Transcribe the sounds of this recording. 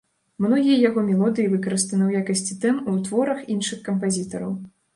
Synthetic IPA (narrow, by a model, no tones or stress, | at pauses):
mnɔɣʲijɐjaɣɔmʲɛlˠɔd̪ɨjivɨkɐɾɨst̪ɐnɨwjakɐsʲt͡sʲit̪ɛmut̪vɔɾɐxinʂɨxkɐmp̬azʲit̪ɐɾɐ̰w